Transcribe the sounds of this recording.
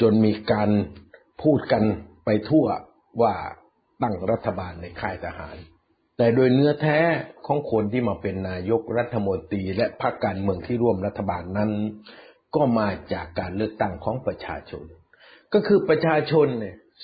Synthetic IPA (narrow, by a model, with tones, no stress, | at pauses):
t͡ɕo˧nmiː˧kaː˧n | pʰuː˥˩t̪̚ka˧npa˧jt̪ʰu˥˩ɐ | waː˥˩ | t̪a˥˩ŋɾa˦˥t̪ʰːa˧baː˧nːa˧jkʰaː˥˩jt̪ʰa˧ha̰ː˩˦n | t̪ɛː˨˩doː˧jnɯ˦˥ɐt̪ʰɛː˦˥kʰɔː˩˦ŋkʰo˧nt̪ʰiː˥˩maː˧pe˧nːaː˧jo˦˥k̚ɾa˦˥t̪ʰːa˧mo˧nt̪ɾiː˧lɛ˦˥ʔpʰa˦˥kːaː˧nmɯ˧əŋt̪ʰiː˥˩ɾu˥˩əmɾa˦˥t̪ʰːa˧baː˧nːa˦˥n | kɔː˥˩maː˧t͡ɕaː˨˩kːaː˧nlɯ˥˩ək̚t̪a˥˩ŋkʰɔː˩˦ŋpɾa˧t͡ɕʰa̰ː˧t͡ɕʰo̰˧n | kɔː˥˩kʰɯː˧pɾa˧t͡ɕʰaː˧t͡ɕʰo˧nː